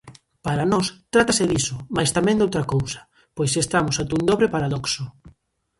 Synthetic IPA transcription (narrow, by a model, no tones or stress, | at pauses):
paɾanɔst̪ɾat̪asɪðisʊmajst̪amɛ̃ŋnd̪owt̪ɾakowsɐ̥ | pojsest̪amʊsat̪und̪ɔβɾepaɾaðɔksʊ